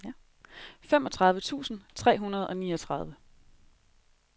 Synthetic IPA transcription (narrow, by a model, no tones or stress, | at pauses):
j | femɒt͡sʰʁɑ̈ð̞ˠʋət͡sʰṵːsn̩t͡sʰʁɛ̰ːɦunɐðˠɒ̽nḭːɒt͡sʰʁɑ̈ð̞ˠʋə